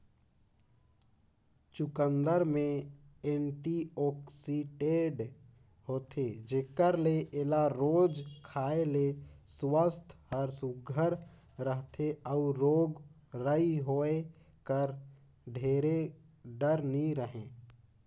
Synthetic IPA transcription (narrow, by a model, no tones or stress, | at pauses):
t͡ʃʊkə̃nd̪əɾmẽeɳʈiɔksiʈeːɖ | ɦoːt̪ʰed͡ʒeːkəɾleʔelaɾoːd͡ʒkʰaːeleswəst̪ʰhəɾsuɡʱəɾ | ɾəɦt̪ʰeəuɾoːɡ | ɾəiɦoːe | kəɾ | ɖʱeːɾe | ɖəɾniɾəɦẽː